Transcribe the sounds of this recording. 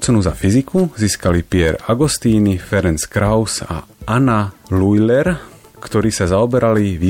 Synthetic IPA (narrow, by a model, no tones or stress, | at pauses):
t͡sɛnuzafizikuziːskalipɪɛɾaɡust̪iːnifɛɾɛnt͡skɾaʊsa̰analujlɛɾ | kt̪ɔɾiːsazaɔbɛɾʔaliʋiː